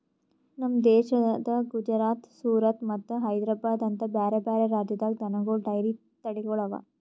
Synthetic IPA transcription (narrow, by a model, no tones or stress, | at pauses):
nɐmːɐd̪ɛːʃɐd̪ɐɡud͡ʒɾaːt̪suːɾɐt̪mɐt̪ːuɦɐjd̪ɾaːbaːd̪ɐnt̪ɐbjaːɾebaːɾeɾaːd͡ʒjɐd̪ɐld̪ɐnɐɡoɖɐjɾi | t̪ɐɽiɡɔɭɐʋa̰